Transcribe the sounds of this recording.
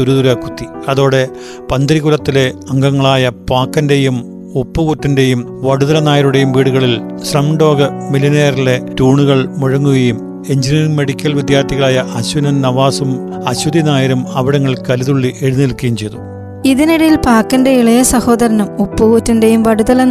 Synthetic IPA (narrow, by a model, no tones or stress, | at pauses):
t̪uɾuðuɾɐkːut̪ːiɐðo̞ːɽe̞ | pɐnd̪ɐɾiɣulɐt̪ːile̞ɐŋɡɐŋːɐɭaːjɐpaːkːɐnde̞jum | upːuɣutːinde̞jumʋɐɽuðɐɾɐnaːjɐɾuɽe̞jumʋiːɽuɣɐɭilsrɐmɳɖo̞ːɡɐmilineːɐrile̞tuːɳuɣɐɭmuɻɐŋːuɣɐjum | e̞ɲd͡ʑiniːiŋme̞ɽikʲːɐlʋid̪jaːrt̪ʰiɣɐɭaːjɐʔɐɕunɐnnɐʋaːsum | ɐɕud̪inaːjɐɾumɐʋiɽɐŋːɐɭkɐluðuɭːiʔe̞ɻunːilkːɐjumt͡ɕe̞jt̪u | iðiniɽɐjilpaːkːɐnde̞iɭɐjɐsɐho̞ːðɐɾɐnumupːukutːindejumʋɐɽuðɐlɐ